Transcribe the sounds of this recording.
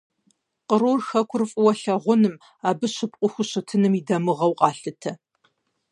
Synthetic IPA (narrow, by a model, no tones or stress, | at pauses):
qəɾorxɐkʷʰʊrfʼʊwɐɬɐʁʷʊnɨm | aːbɨɕɪpʼqʷʼʊxʷʊɕɪtʰɨnɨmidɐmɨʁɐwqʼɑːɬɨtʰɐ